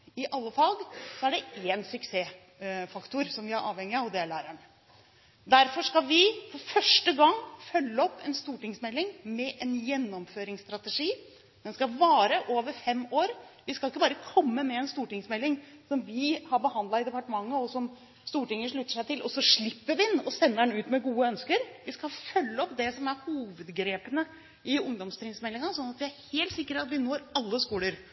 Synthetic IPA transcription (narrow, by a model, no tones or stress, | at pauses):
ɪʔɑlːəfɑːɡsɔæɖɛeːnsʏkseː | fɑkt̪ʊɾsɔmʋɪæɾʔɑ̰ːʋhɛŋːɪɑʋd̪ɛlæːɾæɳə | d̪æɾfɔʂkɑʋɪfɔɾfœʂʈəɡɑŋːfœlːəɔpːɛnst̪uːʈɪŋsmɛlːɪŋmɛʔɛnjɛnːɔmføːɾɪŋst̪ɾɑt̪əʂiː | d̪ɛnskɑʋɑːɾəʔoːʋəɾfɛmːoːɾʋɪskɑlɪkːəbɑːɾəkʰɔmːəmɛɛnst̪uːʈɪŋsmɛlːɪŋsɔmʋɪhɑɾbəhɑnd̪ɑɪd̪ɛpɑʈəmɑŋːəɔsɔm | st̪uːʈɪŋːəʂɭʉt̪ːəʂæɪt̪ɪlʔɔsɔʂɭɪpːəʋɪɪnːɔsɛnːəɖɛnʉːt̪mɛɡuːəœnskəɾʋɪskɑfœlːəɔpd̪ɛsɔmæɾhuːʋəd̪ɡɾeːpənə | ɪʊŋd̪ɔmst̪ʰɾɪŋsmɛlːɪŋɑsɔnːɑt̪ʋɪæɾheːlt̪sɪkːəɾɑt̪ʋɪnoːɾɑlːəskuːləɾ